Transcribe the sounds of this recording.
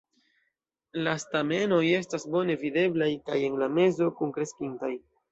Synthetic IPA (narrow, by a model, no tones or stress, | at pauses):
lastame̞no̞je̞stasbo̞ne̞vide̞blajkaje̞nlame̞zo̞kunkɾe̞skintaj